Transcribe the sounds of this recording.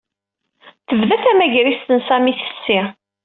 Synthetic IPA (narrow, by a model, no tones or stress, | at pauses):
θəvðæθæmæʝɾist̪ənsæmiθə̥sːi